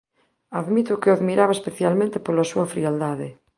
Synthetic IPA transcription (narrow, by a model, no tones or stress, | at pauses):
aðmit̪ʊkeaðmiɾaβaespeθjalmẽnt̪ɪpolasuɐfɾiald̪aðɪ